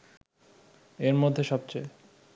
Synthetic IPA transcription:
eɾmod̪ʱːeʃɔb̚t͡ɕej

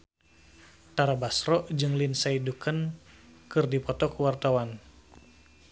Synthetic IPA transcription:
t̪aɾabasɾɔʔd͡ʒɨŋlinsaidukʰənkɨrdipɔt̪ɔkuwart̪awan

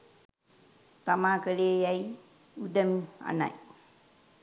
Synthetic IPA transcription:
t̪amakəlejaj | udəma̰na̰j

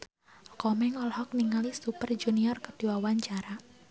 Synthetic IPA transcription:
kɔmɛŋɔlhɔk̚niŋalisupərd͡ʒuniɔrkəd̥iwawaɲt͡ʃaɾa

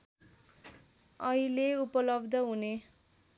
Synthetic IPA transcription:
ʌileupʌlʌbd̪ʱʌɦune

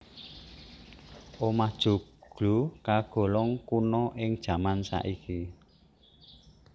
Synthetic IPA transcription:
ʔomahd̥ʒ̥ṳɡ̥lukaɡ̥ɔ̤lɔŋkunɔʔɪŋd̥ʒ̥ä̤mansa̰ʔiki

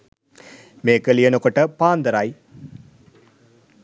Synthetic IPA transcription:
meːkəlijənukoʈəpaːnd̪əɾaj

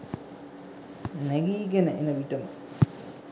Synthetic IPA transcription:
nɛɡiːɡenəʔenəʋiʈəmə

